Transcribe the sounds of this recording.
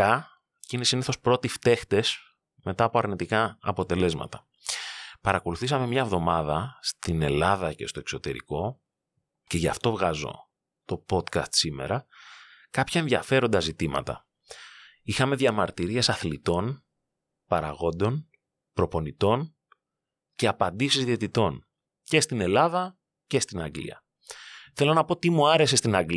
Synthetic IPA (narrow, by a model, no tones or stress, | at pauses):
ɐ | cinesiniθo̞spɾo̞t̪ift̪e̞xt̪e̞s | me̞t̪ɐːpo̞ɐɾnit̪ikɐːpo̞t̪e̞le̞zmɐ̰t̪ɐ | pɐɾɐko̞luθisɐme̞mɲɐevðo̞mɐðɐst̪ine̞lɐðɐce̞st̪o̞e̞kso̞t̪e̞̰ɾḭko̞ | ce̞ʝɐft̪o̞vɣɐzo̞̰ | t̪o̞po̞t̪kɐst̪sime̞̰ɾɐ | kɐpçɐe̞nðʝɐfe̞ɾo̞nd̪ɐzit̪imɐ̰t̪ɐ̰ | ixɐme̞ðʝɐmɐɾt̪iɾie̞sɐθlit̪o̞n | pɐɾɐɣo̞nd̪o̞n | pɾo̞po̞nit̪o̞n | ce̞ɐpɐnd̪isizðiet̪it̪o̞n | ce̞st̪ine̞lɐðɐ | ce̞st̪inɐɡlḭɐ̰ | θe̞lo̞nɐpo̞t̪imuɐɾe̞se̞st̪inɐɡl